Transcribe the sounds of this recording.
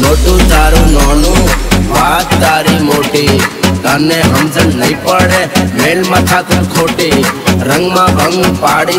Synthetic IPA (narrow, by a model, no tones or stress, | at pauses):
noːʈũːd͡ʒaːɾũnɔːnũːʋat̪d̪aːɾimoːʈik̪aneɦəmd͡ʒənləipəɳemelmãt̪ʰat̪ʰukʰoːʈiɾə̃ŋɡmãːʔəŋɡpaːɽi